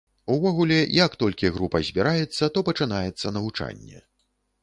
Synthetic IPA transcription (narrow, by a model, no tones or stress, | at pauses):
uvɔɣulʲɛjɐkt̪ɔlʲkʲiɣɾupɐzʲbʲiɾajɛt̪sːɐt̪ɔpɐt͡ʂɨnajɛt̪sːɐnɐvut͡ʂa̰nʲːɛ̰